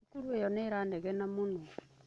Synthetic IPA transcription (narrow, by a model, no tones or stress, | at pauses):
kuɾuejɔneɾaːndeɣɛnamuno